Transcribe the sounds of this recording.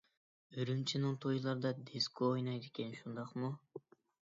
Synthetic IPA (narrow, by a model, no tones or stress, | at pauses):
øɾymt͡ʃʰinɪŋt̪ʰojulˠɑɾd̪ɑd̪eskʰoojnɑjd̪ekʲʰɛnʃund̪ɑqmu